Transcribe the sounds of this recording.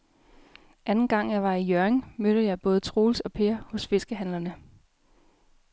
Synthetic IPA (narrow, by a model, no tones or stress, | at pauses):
ʔænn̩ɡ̥ɑ̈ŋ̰jɑ̈ɪʋɑ̈ijøɐeŋmød̥ð̩ˠjɑ̈ɪb̥ɔ̽ːð̞̩ˠt͡sʰʁo̝ːlsɒ̽pʰe̝ːɐhɔ̽sfe̝sɡ̥əɦænlɐnə